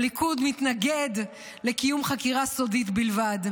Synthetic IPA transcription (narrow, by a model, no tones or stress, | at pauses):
likud̪mit̪naɡe̞d̪ | le̞kijumχakiʁasodit̪bilvad̪